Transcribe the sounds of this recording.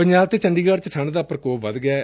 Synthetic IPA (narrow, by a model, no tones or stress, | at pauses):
əɲd͡ʒaːʋt̪eːt͡ʃəɳɖiːɡaɾt͡ʃəʈʰəɳd̪aːpɾkoːpʋəd̪ɡɛː